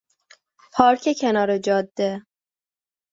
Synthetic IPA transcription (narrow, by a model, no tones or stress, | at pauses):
pʰɒːɾkʰecʰenɒːɾed͡ʒɒːd̪ːe